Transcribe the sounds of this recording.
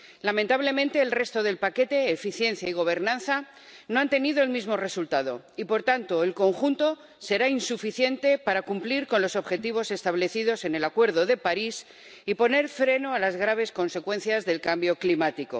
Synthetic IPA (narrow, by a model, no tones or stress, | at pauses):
lament̪aβle̞mẽnt̪e̞ːlre̞st̪o̞ðe̞lpake̞t̪e̞ːfiθje̞n̟θjaiɣ̞o̞β̞e̞ɾnãnθa | no̞ant̪e̞niðo̞elmizmo̞re̞sult̪aðo̞̰ | ipo̞ɾt̪ant̪o̞e̞lko̞ŋxunt̪o̞ | se̞ɾainsufiθje̞nt̪e̞paɾakumpliɾko̞nlo̞so̞βxe̞t̪iβ̞o̞se̞st̪aβleθiðose̞ne̞lakwe̞ɾð̞o̞ðe̞paɾis | ipo̞ne̞ɾfɾe̞noalazɣɾaβ̞e̞sko̞nse̞kwe̞nθjazðe̞lkambjo̞klimat̪iko̞̰